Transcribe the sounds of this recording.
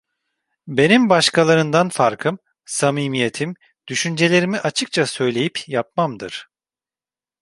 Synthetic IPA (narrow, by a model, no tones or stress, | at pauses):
be̞nimbaʃkʰalˠaɾɯnd̪anfaɾkʰɯm | samiːmije̞t̪ʰim | d̪̥yʃynd͡ʒe̞lʲe̞ɾimiʔat͡ʃʰɯk̚t͡ʃʰasø̞jlʲe̞jipjapmamd̪ɯɾ̥